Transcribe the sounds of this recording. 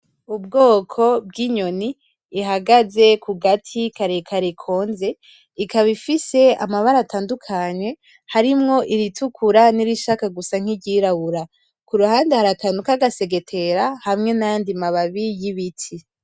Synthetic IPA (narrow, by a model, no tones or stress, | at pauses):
ubɡoːkʰo̞b̚ɡiɲo̞niː | ɦaɡaze̞kʰuɡatʰikaɾekʰaɾekʰo̞ːnze̞ | ikaβifise̞amaβaɾataːndukʰaɲe̞ | haɾimŋo̞ʔiɾitʰukʰuɾaniɾiʃakaɡusaŋ̥iɟiɾaβuɾa | kuɾuhaːndehaɾakanukaɡase̞ɡe̞tʰe̞ɾahamŋe̞najandimaβaβijiβitʰi